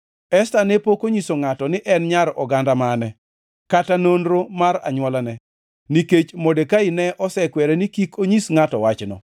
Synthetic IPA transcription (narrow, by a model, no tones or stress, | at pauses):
ɛstanepokoɲisoŋatɔnɪʔɛnɲaɾɔɡandamanɛ | katanonɾomaɾa̰ɲwɔlanɛ | niket͡ʃmodekaɪnɛʔɔsɛkwɛɾɛnikikʰoɲisŋatɔwat͡ʃnɔ̰